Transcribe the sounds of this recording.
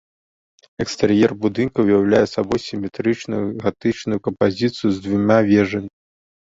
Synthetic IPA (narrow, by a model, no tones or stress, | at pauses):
ɛkst̪ɛɾjɛrbud̪ɨnkɐujawlʲajɛsabɔjsʲimʲɛt̪ɾɨt͡ʂnujuɣat̪ɨt͡ʂnujukɐmpazʲit̪sɨjuzd̪vumʲavʲɛʐɐmʲi